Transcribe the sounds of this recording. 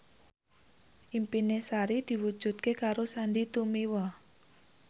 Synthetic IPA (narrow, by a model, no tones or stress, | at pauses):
ʔimpinesaɾid̪̥i̤wud̥ʒ̥ṳt̪̚kekaɾosaɳɖit̪umiwɔ